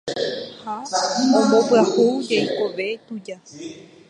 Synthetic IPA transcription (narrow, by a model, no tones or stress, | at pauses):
hamõmbopɨahud͡ʒejkoʋe̞t̪ud͡ʒa